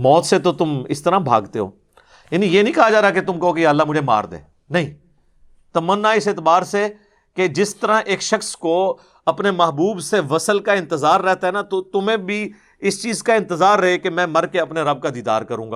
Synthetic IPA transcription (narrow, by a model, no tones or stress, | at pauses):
mɔːt̪set̪ot̪ʊmɪ̰st̪əɾãbʱa̰ːɡt̪eɦo̰ː | janijeːnəɦĩkɐɦad͡ʒaːɾaket̪ʊmkɐɦokejaːəlːaːmʊd͡ʒʱema̰ːɾd̪ḛ̃ː | nɐɦĩː | t̪ɐmənːaɪseːt̪ɪbaːɾse | ked͡ʒɪst̪əɾãːʔeːkʃəxsko | ɐpnemɐɦbuːbseʋəsəlkaɪ̃nt̪ɪzaːɾːɛɦt̪aɦɛnat̪ot̪ʊmẽːbʱi | ɪst͡ʃiːzkaɪ̃nt̪əzaːɾːɐɦekemɛ̃ːmɐɾkeɐpneɾɐb̚kad̪iːd̪a̰ːɾkəɾũːɡaː